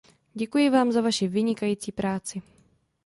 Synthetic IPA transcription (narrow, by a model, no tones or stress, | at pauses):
ɟɛkujɪvaːmzavaʃɪvɪɲɪkajiːt͡siːpɾaːt͡sɪ